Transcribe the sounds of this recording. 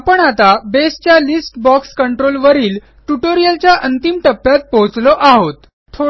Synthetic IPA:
apəɳat̪abest͡ɕjalisʈbɔkskəɳʈɾolʋəɾiːl | ʈuʈoɾijəlt͡ɕjaʔənt̪imʈəpːjat̪̚poɦt͡slɔʔaɦot̪ | t̪ʰo

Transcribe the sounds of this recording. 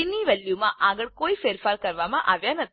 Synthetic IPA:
inːiːʋeljuːmaʔaːɡɐɭkoːifeːɾfʰaːɾkɐɾʋaːmaʔaːʋjanɐ

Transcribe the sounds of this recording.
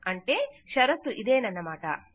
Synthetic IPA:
ɐɳʈeʃɐɾɐt̪ːuʔid̪eːnɐnːɐmaːʈɐ̰

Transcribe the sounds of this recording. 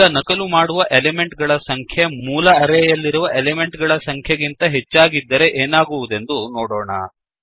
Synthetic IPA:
ɐnɐkɐlumaːɽuʋɐʔeleme̞ɳʈɡɐɭɐsɐŋkʰjɐmuːlɐːɾejɐlːiɾuʋɐʔelemeɳʈɡɐɭɐsɐŋkʰjɐɡint̪ɐɦet͡ʃːaːɡid̪ːɐɾe̞ʔeːnaːɡuʋud̪e̞nd̪unoːɽoːɳɐ̰

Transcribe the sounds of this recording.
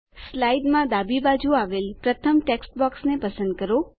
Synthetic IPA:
slajɖmãd̪abibad͡ʒuaʋelpɾət̪ʰəmʈeksʈbɔksnepəsə̃nd̪̚kəɾo

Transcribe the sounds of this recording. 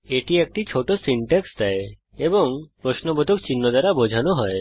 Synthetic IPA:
eʈiek̚ʈit͡ʃʰoʈɔsiɳʈekst̪ae | ebɔŋpɾɔsnɔbɔd̪ʱukt͡ɕinːɔd̪aɾabɔd͡ʒʱanɔɦɔe

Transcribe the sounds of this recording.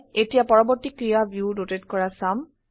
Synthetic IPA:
etijapɔɹɔbɔɹtikɹijabʱjudotetkɔɹasam

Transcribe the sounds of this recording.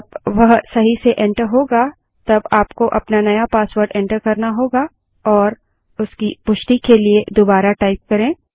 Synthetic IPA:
bʋɐɦsɐɦiseʔɛ̃ɳʈəɾɦoːɡa | t̪ɐbaːpkoʔɐpnanɐjapaːswəɾɖɛ̃ɳʈəɾkɐɾnaɦoːɡa | ɔːɾ | ʊskipʊʃʈikelied̪obaːɾaʈaːɪp̚kɐɾẽː

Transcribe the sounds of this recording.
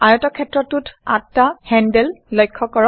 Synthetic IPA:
ajɔtɔkʰɛtɹɔtuta̰tːahɛndɛllɔjkʰːɔkɔɹɔ

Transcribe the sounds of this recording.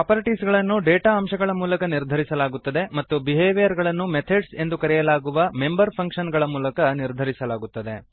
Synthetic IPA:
ɐːpɐɾiʈisɡɐɭɐnːuɖeːʈaɐmʃɐɡɐɭɐmuːlɐkɐniɾd̪ʱɐɾisɐlaːɡut̪ːɐd̪e̞mɐt̪ːubiɦeːʋijɐɾɡɐɭɐnːumet̪ʰeɖse̞nd̪ukɐɾɛjɐlaːɡuʋɐme̞mbɐɾpʰɐŋkʂɐnɡɐɭɐmuːlɐkɐniɾd̪ʱɐɾisɐlaːɡut̪ːɐd̪e̞

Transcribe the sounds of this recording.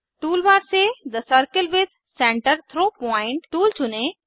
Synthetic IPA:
ʈuːlʋaːɾsed̪əsəɾkɪlʋɪd̪̚ | sẽːɳʈəɾt̪ʰɾoːpɔ̃ːɪ̃ɳʈːuːlt͡ɕʰʊnẽ

